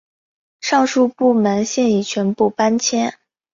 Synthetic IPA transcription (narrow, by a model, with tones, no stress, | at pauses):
ʂɑ˥˧ŋʂu˥˧pu˥˩mə˧˥nɕjɛ˥˧ni˥˩t͡ɕʰɥɛ˧˥npu˥˩pa˥nt͡ɕʰjɛ˥n